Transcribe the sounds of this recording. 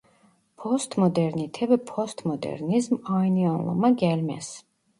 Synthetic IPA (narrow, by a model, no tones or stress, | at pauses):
pʰɔst̪ʰmɔd̪ɛɾnit̪ʰɛbɛpʰɔst̪ʰmɔd̪ɛ̰ɾnizmajnianlˠɔ̰maɡɛlmɛ̰s